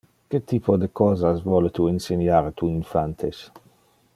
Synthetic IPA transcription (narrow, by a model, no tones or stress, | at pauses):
ket̪iːpod̪ekɔːzasvɔlet̪uinsenjaːɾt̪uinfant̪ʰes